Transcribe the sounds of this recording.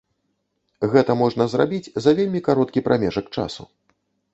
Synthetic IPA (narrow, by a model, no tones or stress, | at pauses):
ɣɛt̪ɐmɔʐnɐzrabʲit͡sʲzɐvʲelʲmʲikaɾɔt̪̚kʲipɾʔamʲɛʐɐk̚t͡ʂa̰sṵ